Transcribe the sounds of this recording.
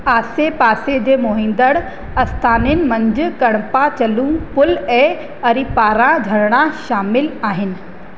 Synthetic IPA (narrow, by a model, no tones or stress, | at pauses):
aːsepaːsed͡ʑeːmoɦĩːnd̪əɽ | ɐst̪ʰaːnɪnɪ̆mɐ̃ɲd͡ʑʊkɐɽ̃pat͡ɕɐlũpʊlɛː | ɐɾipaːɾãd͡ʑʱɐɽɽ̃aʃaːmɪlaːɦɪnɪ̆